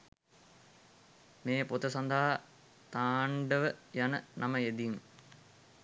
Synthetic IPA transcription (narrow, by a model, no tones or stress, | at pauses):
meːpot̪əsand̪aɦa | t̪aːɳɖəʋəjanənʔaməed̪im